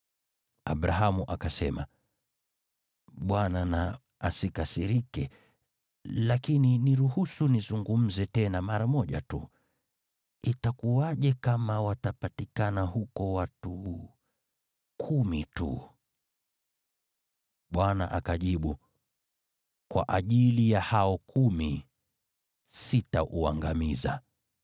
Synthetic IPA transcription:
a̰ɓɾaɦamuʔakasɛma̰ | ɓwanana | asikasiɾikɛ | lakininiɾuhusunizuŋɡum̩zɛtɛnamaɾamɔʄa̰tṵ | itakuwaʄɛkamawatapatikanahukɔwatu | kʰumitṵ | ɓwana̰ʔakaʄiɓu | kwa̰ʔaʄilijahaɔkʰumi | sitaʔua̰ŋɡamiza̰

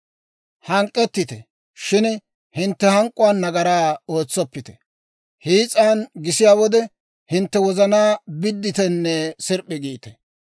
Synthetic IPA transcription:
hɐŋkʼːɛt̪ːɪt̪ɛ̰ | ʃɪn | hɪnt̪ːɛhɐŋkʼːʊwaːnːɐɡɐɾaːoːt͡sːɔpːɪt̪ɛ̥ | hiːt͡sʼaːnɡɪsɪjaːwɔd̪ɛ | hɪnt̪ːɛwɔzɐnaːbɪd̪ːɪt̪ɛnːɛsɪɾpʼːɪɡiːt̪ɛ̥

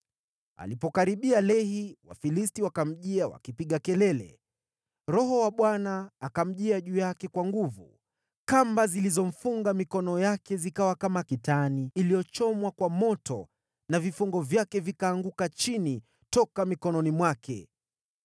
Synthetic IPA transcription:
a̰lipɔkaɾiɓialɛɦiwa̰filistiwakam̩ʄiawa̰kipiɠakɛlɛlɛ̰ | ɾɔɦɔwaɓwanaːkam̩ʄiaʄuːjakɛkwaŋɡuvu | kambazilizɔm̩fuŋɡamikɔnɔjakɛzikawakamakitaniːlijɔt͡ʃɔmwakwamɔtɔ̰ | navifuŋɡɔvjakɛvikaːŋɡukat͡ʃini | tɔkamikɔnɔnimwakɛ̰

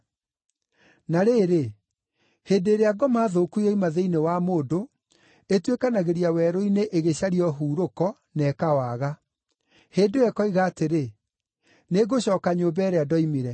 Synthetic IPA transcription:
naɾeːɾe | heːndeːɾeaɡɔmaːðokujɔimaðeinewamoːdo | etwekanaɣeɾiawɛːɾɔineʔeɣeɕaɾiɔɦuːɾokɔ | nɛkawaɣa | heːndoɛkɔiɣaːteɾe | neɣoɕɔːkaɲobɛɾeadɔimiɾɛ

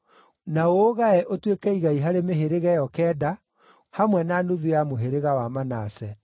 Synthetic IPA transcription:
naoːɣaɛʔotwekɛiɣaiɦaɾemeɦeɾeɣɛjɔkɛːda | hamwɛnanuðujamoɦeɾeɣawamanasɛ

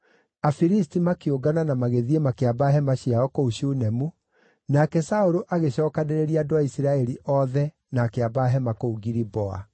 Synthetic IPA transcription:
afiɾistimakioɡananamaɣeðiemakeabaɦɛmaɕiaɔkouɕunɛmu | nakɛsaoɾoʔaɣeɕɔːkaneɾeɾiaːdoaisiɾaɛɾiʔɔðɛ | naːkeabaːɦɛmakouɡiɾibɔa̰

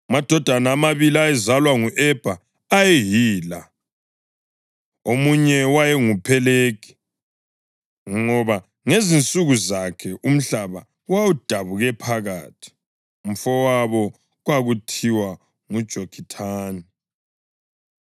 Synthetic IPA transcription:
umad̥ʱɔd̥ʱanaːmaβiliajɛzalwaŋuʔɛb̥ʱaː | jɛɦiːla | omuɲɛwajɛŋupʰɛleɡ̥ʱi̥ | ŋɔβa | ŋezint͡sʼuɣuzakʰɛʔum̩ɬaβa̰ | wawud̥ʱaβuɣɛpʰaɣaːtʰi̥ | um̩fɔwaβɔ | ɣwaɣutʰiwa | ŋud̥ʒ̥ʱokʰitʰaːni

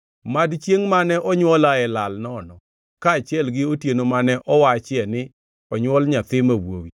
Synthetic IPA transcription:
madt͡ʃjeŋmanɛʔɔɲwɔlaɛlalnɔnɔ | kaːt͡ʃjɛlɡɪotjenomanɛʔɔwat͡ʃɛnɪ | ɔɲwɔlɲat̪ɪmawo̰wi

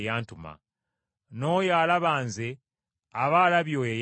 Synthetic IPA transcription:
jaːntuma̰ | no̞ːjaːlaβaːnze | aβalaβjo̞ːjej

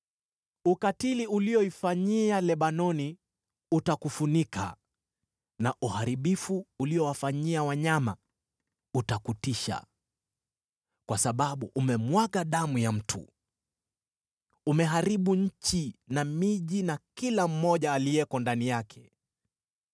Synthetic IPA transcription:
ukatiliulijɔifaɲialɛɓanɔni | utakufunikʰa̰ | naʔuhaɾiɓifuːliɔwafaɲiawaɲama̰ | utakutiʃa̰ | kwasaɓaɓuʔumɛmwaɠaɗamujam̩tʰṵ | umɛɦaɾiɓuɲ̩t͡ʃinamiʄinakilam̩ːɔʄaːliɛkɔndanijakʰɛ̥

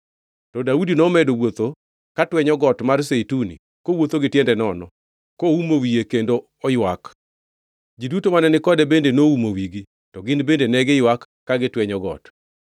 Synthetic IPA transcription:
tɔdaudinɔmɛdowot̪o | katwɛɲɔɡɔtmarseitunḭ | kowot̪oɡɪtjɛndɛnɔnɔ̰ | koumowijekendo | ɔjwak | ɡidutomanɛnɪkɔdɛbendenoumowiɡi | tɔɡɪnbendenɛɡɪjwakːaɡɪtwɛɲɔɡɔ̰t

